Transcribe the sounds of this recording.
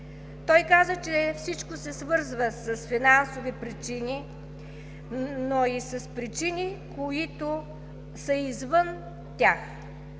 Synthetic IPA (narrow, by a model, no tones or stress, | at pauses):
t̪ɔjkazət͡ʃɛfsit͡ʃkosɛsvɤɾzvəsɐsfinansovipɾit͡ʃini | noisɐspɾit͡ʃinikoit̪o | səizvən | t̪ʲax